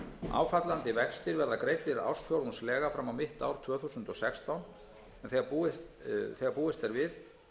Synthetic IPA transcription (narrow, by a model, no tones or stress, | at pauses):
a̰ːwfat̪lant̪ɪvɛkst̪ɪɾvɛɾðakɾeːjt̪ɪɾa̰wsfjowɾunslɛːɣafɾamawmɪht̪awɾ̥t̪ʰvœːθusʏnt̪ɔsɛkst̪awn | ɛnθɛɣapuɪ | θɛːɣapuːɪst̪ɛɾvɪð